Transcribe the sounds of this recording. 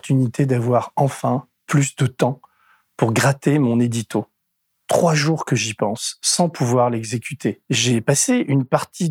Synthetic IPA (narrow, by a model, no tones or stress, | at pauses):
t̪ʰynit̪ʰed̪avwaʁɑ̃fɛ̃ | plysd̪ət̪ɑ̃ | puʁɡʁat̪emɔ̃ned̪it̪o | t̪χwaʒuʁkəʒipɑ̃sːɑ̃pʰuvwaʁlɛɡzekʲyt̪ʰeʒɛpaseʔynpaʁt̪ʰi